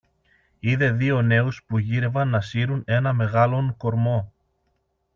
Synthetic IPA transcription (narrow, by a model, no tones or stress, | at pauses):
iðe̞ðio̞ne̞uspuʝiɾe̞vɐnːɐsiɾune̞nɐme̞ɣɐlo̞nko̞ɾmo̞